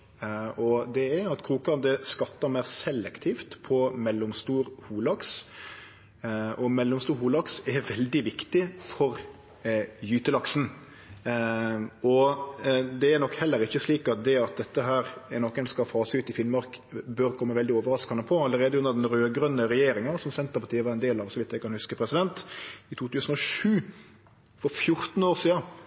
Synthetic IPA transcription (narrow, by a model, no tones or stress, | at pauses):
ɔd̪ɛɛɾɑt̪kʰɾuːkɑnd̪əskɑt̪ːɑɾmæɪɾsɛlːɛkt̪ʰiːft̪pʰɔmɛlːʊmst̪uːɾhuːlɑks | ʔɔmɛlːʊmst̪uːɾhuːlɑksɛɾʋɛld̪ɪʋɪkt̪ɪfɔɾ | jyːt̪əlɑksn̩ | ʔɔ | d̪ɛæɾnɔkhɛlːəɾɪçːəsliːkɑt̪̚d̪ɛɑt̪̚d̪ɛt̪ːəɦæːɾɛnɔkːənskɑfɑːsəʉːt̪ɪfɪnmɑɾkbøɾkʰɔmːəʋɛld̪ɪoːʋəɾɑskɑnəpʰɔɑlːəɾeːd̪əʉnd̪əɾd̪ɛnɾøːɡɾœnːəɾɛjeːɾɪŋənsɔmsɛnt̪əʁpɑʈ̪iːəʋɑːɾɛnd̪eːlɑʋsɔʋɪt̪d̪æɪkɑnhʉskəpʰɾɛsɪd̪ɛnt̪ɪt̪ʰuːt̪ʰʉːsən̩ɔʂʉː | fɔɾfjʊɾt̪n̩oːɾsiːɑ